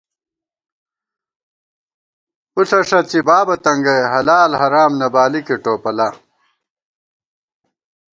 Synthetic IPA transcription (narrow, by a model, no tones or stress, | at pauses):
uɬɐʂɐt͡ɕibaːbɐt̪ɐŋɡɐɦɐlaːlɦɐɾaːmnɐbaːlikeʈoːpɐla